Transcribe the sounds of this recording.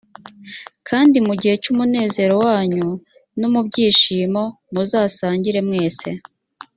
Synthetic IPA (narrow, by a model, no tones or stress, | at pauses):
kʰaːndimuɟihe̞cumune̞ːze̞ːɾo̞waːɲu | numubɟiːʃiːmo̞ | muzaːsaːɲɟiɾe̞mŋe̞ːse̞